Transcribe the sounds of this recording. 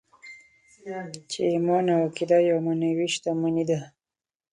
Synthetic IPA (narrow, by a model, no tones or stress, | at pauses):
t͡ʃeimɑnakid̪ajawmanawiʃt̪amanid̪a